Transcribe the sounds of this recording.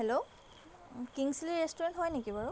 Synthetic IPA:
ɦɛlo | kiŋsiliɹestuɹɛntɦɔjnekibaɹʊ

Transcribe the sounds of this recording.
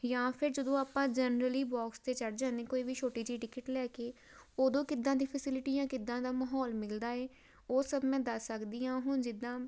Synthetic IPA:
jãːpʰɪɾd͡ʒəd̪õːaːpãːd͡ʒənɾəliːbɔːkst̪eːt͡ʃəɽd͡ʒãːnd̪eːkoːiːbiːt͡ʃʰoːʈiːd͡ʒiːʈɪkəʈlɛːkeː | oːd̪õːkɪd̪ːãːd̪iːpʰəsɪlɪʈiːjãːkɪd̪ːãːd̪aːmaɦɔːlmɪld̪aːɛː | oːsəbmɛ̃ːd̪əsːəkd̪iːjãːɦʊnd͡ʒɪd̪ãː

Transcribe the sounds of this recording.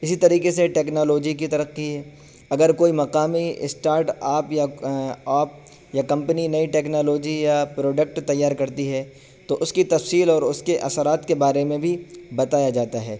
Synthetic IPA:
ɪsit̪ɐɾiːqeseʈeːknoːloːd͡ʒik̬it̪ɐɾəqːiɦɛː | ɐɡəɾkoːimɐqaːmiɪsʈaːɾʈaːpjaaːp | jakɐ̃mpəninɐiʈeːknoːloːd͡ʒijapɾoːɖək̚ʈt̪ɐjːaːɾkɐɾt̪iɦɛ | t̪oʔʊskit̪ɐfsiːlɔːɾʊskeʔɐsəɾaːt̪kebaːɾemẽbʱibɐt̪aːjad͡ʒaːt̪aɦɛː

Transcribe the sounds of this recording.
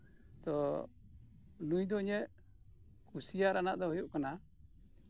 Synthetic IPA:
t̪ɔ | nujd̪ɔɲɛʔ | kusijaɾanaʔd̪ɔɦɔjuʔkana

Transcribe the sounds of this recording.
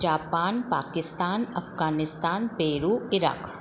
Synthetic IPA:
d͡ʒaːpaːnpaːkɪst̪aːnɐfɡaːnɪst̪aːnpeːɾuːɪɾa̰ːk

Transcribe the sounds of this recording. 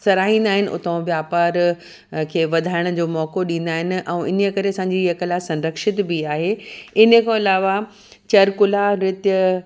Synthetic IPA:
sɐɾaːɦĩːnd̪aːɦɪnɪ̆ʔʊ̰t̪õʋjaːpaːɾ | kʰeːʋɐd̪ʱaːɪɽ̃ʊ̆d͡ʑoːmɔːkoɗĩːnd̪aːɦɪnɪ̆ʔɛ̃ːʔɪnjəkɐɾeɐsãːɲd͡ʑiekəlasɐ̃nɾəkʃɪt̪biaːɦeːɪnə̆kʰãɪlaːʋa | t͡ɕɐɾkʊlaɾɪt̪jə

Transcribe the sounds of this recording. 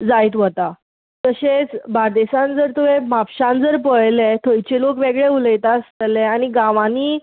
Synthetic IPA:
d͡zajt̪ʋət̪a | t̪əɕet͡sbʱaɾd̪eɕãnd͡zəɾt̪uʋẽmapɕãnd͡zəɾpəɭlet̪ʰəjt͡ɕelokʋeɡɭeuləjt̪ast̪əlɛañiɡãʋaniː

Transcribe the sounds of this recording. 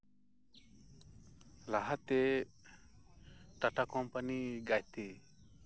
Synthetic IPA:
laɦat̪ɛ | ʈaʈakɔmpaniɡajt̪e

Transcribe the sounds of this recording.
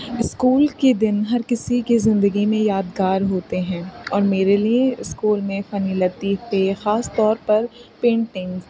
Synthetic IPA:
ɪskuːlked̪ɪnɦɐɾkɪsikizɪ̃nd̪əɡimẽjaːd̪ɡaːɾɦoːt̪eɦɛ̃ːɔːɾmeːɾelieɪskuːlmẽfɐnilɐt̪iːexaːst̪ɔːɾpɐɾpẽːɳʈɪ̃ŋz

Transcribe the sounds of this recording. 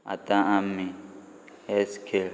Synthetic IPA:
a̰t̪ʼaamːi | ɛskʰe

